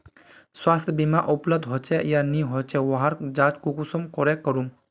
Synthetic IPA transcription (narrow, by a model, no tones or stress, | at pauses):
swast̪ʰbimaʔɔpləb̚d̪ʱɦɔt͡ʃʰɛjaniɦɔt͡ʃʰɛwɔɦaɾd͡ʒad͡ʒkukusɔmkɔɾɛkɔɾum